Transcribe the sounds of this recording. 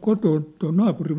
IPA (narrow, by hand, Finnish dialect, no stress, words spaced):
kotoːn toi nɑːpurim